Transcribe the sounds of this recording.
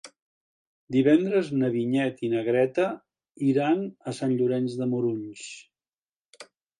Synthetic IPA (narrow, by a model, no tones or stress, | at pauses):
d̪iβɛnd̪ɾəznəβiɲɛt̪inəɣɾɛt̪ə | iɾanəsanʎuɾɛnzðəmuɾuɲs